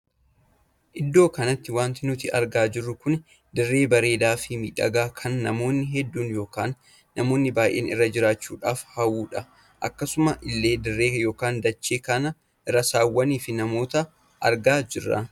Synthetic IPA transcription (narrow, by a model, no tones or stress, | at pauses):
ʔɪd̪ːo̞ːkɐnɐt̪ːɪwaːnt̪ɪnʊt̪ɪʔɐɾɡaːd͡ʒɪrːʊkʊn | d̪ɪrːe̞ːbɐɾe̞ːd̪aːfɪmḭːᶑɐ̰ɡaːkʰɐnːɐmo̞ːnːɪɦɛd̪ːuːnjo̞ːkaːnː | ɐmo̞ːnːɪbaːjʔeːnɪ̰rːɐd͡ʒɪɾaːt͡ʃːṵːᶑaːfhɐwuːᶑɐ | ʔɐ̰kːɐsʊmɐʔɪlːe̞ːd̪ɪrːe̞ːjo̞ːkaːnd̪ɐt͡ʃːeːkɐnɐ | ʔɪrɐsaːwːɐniːfɪnɐmo̞ːt̪ɐ | ʔɐ̰ɾɡaːd͡ʒɪrːɐ̰